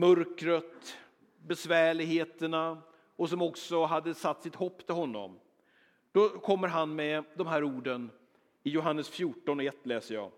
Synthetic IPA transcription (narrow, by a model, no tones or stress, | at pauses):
mœɾkɾət̪ | bɛsvæːɭɪɡheːt̪əɳa | ɔsɔmɔksɔɦad̪ːəsat̪ːsɪt̪hɔpːt̪ʰɪlhɦɔnːɔ̰m | d̪̥ɔkʰɔmːəɾɦanmɛd̪ɔmɦæːɾuːɖən | ɪjʊɦanːəsfjuːʈɔnɔɛt̪ːlɛːsəjɑ̰ː